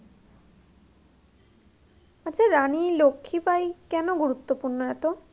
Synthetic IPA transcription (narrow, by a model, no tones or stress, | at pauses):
at͡ɕʰaɾanilokʰːipajkɛnoɡuɾut̪ːopuɾnoɛt̪o